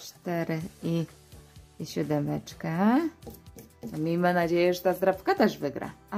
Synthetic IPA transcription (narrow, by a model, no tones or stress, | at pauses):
t͡ʂt̪ɛɾɘi | ɕɛd̪ɛmɛt͡ʂkɛ | t̪ɔmʲimanad͡ʑejɛʐɛt̪azd̪ɾapkat̪ɛʐvɘɡɾa̰